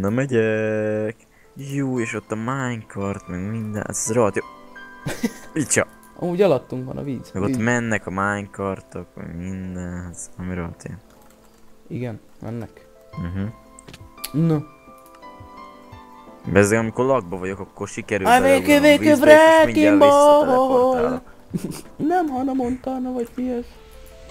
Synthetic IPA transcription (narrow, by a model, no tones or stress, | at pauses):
nɔmɛɟɛk | juːeːʃo̞t̪ːɒmaːɲkʰɒrt̪mɛɡmind̪ɛ̰zroɦɒt̪jo | it͡ʃɒ | ɒ̰muːɟɒlɒt̪ːuŋkʋɒ̰nɒ̰viːz̥mɛɡomɛnːɛkɒmaːɲkɒrt̪okʋɒ̰ɟmind̪ɛnzɒmiɾoɦɒ̰t̪ḛn | iɡɛn | mɛ̰nːɛk̩ | ɦ̩ | no | bɛzɛɒmiko̞rlɒɡ̚bɒvɒɟo̞kɒkːorʃikɛɾyːaveːkøveːøbrɛmikimboɦoɦol | nɛmhɒnɒmont̪ɒːnɒvɒɟmiɛʃ